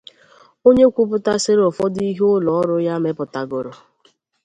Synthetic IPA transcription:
o˦ɲe˦kʷu˦p̬ʊ˦ta˦se˦ɾɔ˨fɔ˦di˦ɦʊ˦lɔ˨ɔ˦ɾʊ˦ja˦me˦pʊ˨ta˨ɡʊ˨ɾʊ˨

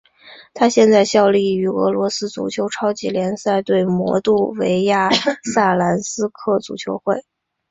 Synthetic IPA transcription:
t̪ʰa˥ɕjɛ˥˧nt͡sa˥˧ɪɕjɑ˥˧ʊli˥˩y˧˥ɤ̰˧˥lwɔ˧˥sɹ̩˥t͡sṵ˨˩t͡ɕʰjo˧˥ʊʈ͡ʂʰɑ˥ʊt͡ɕi˨˥ljɛ˧˥nsa˥˧ɪt̪we˥˩ɪmwɔ̰˧˥t̪u˥˩we˧˥ɪja˥˩sa˥˩la˧˥nsɹ̩˥kʰɤ˥˩t͡sṵ˨˩t͡ɕʰjo˧˥ʊxwe˥˩ɪ

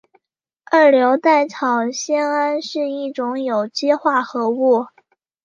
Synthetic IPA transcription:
ə˞˥˩ljo˧˥ʊt̪a˥˩ɪʈ͡ʂʰɑ˨˩ʊɕjɛ˥na˥nʂɻ̩˥˧i˥˩ʈ͡ʂʊ˧˥ŋjo˨˩ʊt͡ɕjɛ˥xwa˥˩xɤ˧˥u˥˩

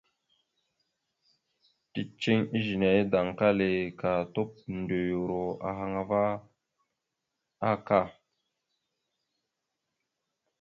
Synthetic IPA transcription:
ti˨t͡ʃi˦ŋi˦ʒi˨ne˨i˦da˨ŋka˦le˨ka˨to˦p̚nde˨jo˨ɾo˨a̰˨ɦa˨ŋa˨va˦ | a˦ka˦˨

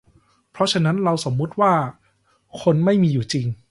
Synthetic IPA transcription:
pʰɾɔ˦˥t͡ɕʰa˧na˦˥nɾa˧wso˩˦mːu˦˥t̪̚waː˥˩ | kʰo˧nma˥˩jmiː˧juː˨˩t͡ɕi˧ŋ

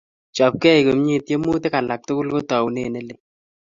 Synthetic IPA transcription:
t͡ʃɔ˨p̚kɛ˦i˨ko˨mɲi˦tje˦mu˦te˦ka˨la˨k̚tʊ˦kʊ˦lko˦tɔ˨wu˨nḛ˦˨ne˦le˦

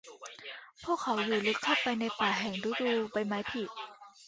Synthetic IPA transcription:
pʰu˥˩əkʰːa˦˥wjuː˨˩lɯ˦˥kʰːa˥˩wpːa˧jna˧jpaː˨˩ɦɛ˨˩ŋduː˦˥duː˧pa˧jma˦˥jpʰi˨˩

